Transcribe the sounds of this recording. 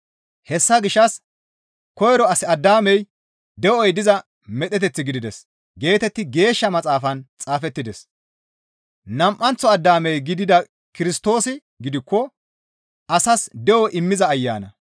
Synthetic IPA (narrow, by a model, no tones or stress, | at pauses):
hɛsːɐɡɪʃːɐs | kɔjɾɔɐsɪɐd̪ːaːmɛj | d̪ɛʔɔjd̪ɪzɐ | mɛɗ̪ɛt̪̬ɛt͡sːɪɡɪd̪ɪd̪ɛs | ɡe̞ːt̪ɛt̪ːɪɡe̞ːʃːɐmɐt͡sʼaːfɐnt͡sʼaːfɛt̪ːɪd̪ɛs | nɐmʔːɐnt͡sːɔɐd̪ːaːmɛjɡɪd̪ɪd̪ɐ | kɪɾɪst̪o̞ːsɪ | ɡɪd̪ɪkːɔ | ɐsɐsd̪ɛwɔʔɪmːɪzɐːjːa̰ːnɐ